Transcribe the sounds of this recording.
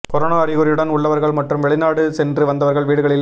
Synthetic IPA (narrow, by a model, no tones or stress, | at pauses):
kɔɾoːnaːɐɾɪɣɯɾɪjɯɽɐnʊɭːɐʋɐɾɣɐɭmɐʈrɯmʋɛɭɪnaːɽɯsɛndrɯʋɐnd̪ɐʋɐɾɣɐɭʋiːɽɯɣɐɭɪl